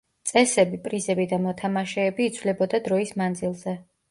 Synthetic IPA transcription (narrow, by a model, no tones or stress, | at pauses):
t̪sʼɛsɛbipʼɾizɛbid̪amɔt̪ʰamaʃɛːbiːt̪sʰvlɛbɔd̪ad̪ɾɔismand̪zilˠzɛ